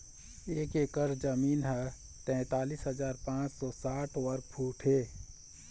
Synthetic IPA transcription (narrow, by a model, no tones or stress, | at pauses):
eːkekəɾd͡ʒəmiːnɦɛ | t̪ɛ̃ːt̪aːliːsɦəzaːɾpãːt͡ʃsɔːsaːʈʰwəɾkpʰuːʈʰɦeː